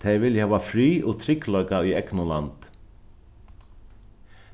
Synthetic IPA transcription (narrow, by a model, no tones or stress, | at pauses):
eɪʋɪljhɑːʋɑfɾyːʔoːt̪ʰɾʏklœʏɡaiːɛknʊlɑ̰nd̪̥